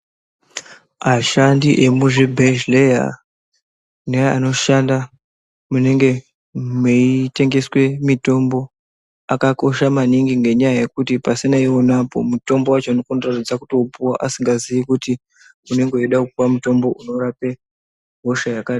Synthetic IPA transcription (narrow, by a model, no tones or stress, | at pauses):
aʃandiʔe̞muʐebʱeʒleja̰ | nejaano̞ʃanda | mune̞ŋɡe̞ | meite̞ŋɡe̞swe̞mito̞mbo̞ | akako̞ʃamaniŋɡiŋɡe̞ɲajaje̞kutipasinaiwo̞napo̞̰muto̞mbo̞wat͡ʃoano̞kondratid͡zaku̥to̞upuwaʔasiŋɡazijikuti | une̞ŋɡeiɗakupuwamuto̞mbo̞ʔuno̞ɾape̞ | ɦo̞ʃajakaːɗi